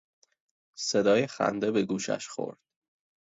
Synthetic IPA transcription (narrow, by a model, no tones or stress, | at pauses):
se̞d̪ɒːjexæ̰nd̪e̞beɡuːʃæ̰ʃxo̞̰ɾd̪̥